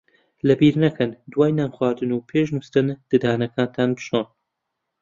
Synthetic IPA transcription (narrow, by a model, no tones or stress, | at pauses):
lɐbiɾnɐkʰɐnd̪waːjnaːmxwaːɾd̪ɨnuːpʰeːʃnust̪ɨnd̪̥ɨd̪aːnɐkʰaːnt̪ʰaːnbɨʃon